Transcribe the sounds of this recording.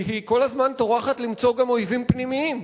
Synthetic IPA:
ɦiko̞lazmant̪oʁaχat̪limt͡so̞ɡamo̞jvimpnimiim

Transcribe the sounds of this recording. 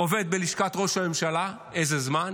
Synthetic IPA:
o̞ve̞d̪̚be̞liʃkat̪ʁo̞ʃame̞mʃala | e̞zezman

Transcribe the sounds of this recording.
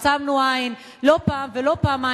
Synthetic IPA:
samnuain | lopaːmvelopaːma

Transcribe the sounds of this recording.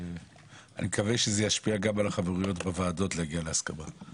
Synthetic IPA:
a̰nimekaveʃezejaʃpiaɡamalaχaveʁujo̞tbevaːdo̞tleaɡialeaskaba

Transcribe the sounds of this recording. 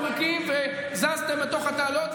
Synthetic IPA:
ʁikimve | zazt̪emːet̪o̞χat̪aːlot̪

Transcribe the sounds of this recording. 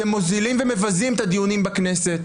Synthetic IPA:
emːo̞zilimveme̞vazimet̪ad̪ijunimbaknese̞t̪

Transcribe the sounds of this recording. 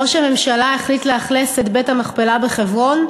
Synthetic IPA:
oʃeme̞mʃalaiχlitleaχleset̪betamaχpelabeχevʁo̞n

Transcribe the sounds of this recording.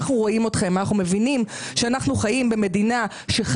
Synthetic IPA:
χnuʁo̞imo̞tχe̞manaχnume̞vinim | ʃeanaχnuχajimbe̞me̞dina | ʃeχ

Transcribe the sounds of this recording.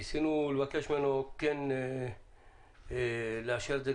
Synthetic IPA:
sinulvakeʃmenokːen | laʃeɾd̪e

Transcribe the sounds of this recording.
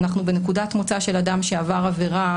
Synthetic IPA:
naχnube̞nekudatmo̞t͡saʃe̞ladamʃeavaʁave̞ʁa

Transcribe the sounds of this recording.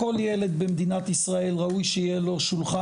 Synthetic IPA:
o̞ljele̞d̪̚bemd̪inat̪isʁae̞lʁaujʃejelo̞ʃulχa

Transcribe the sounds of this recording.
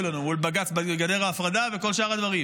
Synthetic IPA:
lanuulbaɡat͡sbaɡad̪e̞ʁaːfʁad̪ave̞ko̞lʃaʁad̪vaʁi

